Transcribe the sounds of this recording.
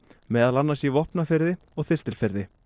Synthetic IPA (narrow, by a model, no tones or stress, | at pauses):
mɛːðalanːaɾsivɔhpnafɪɾðɪ | ɔɣθɪst̪ɪlfɪɾðɪ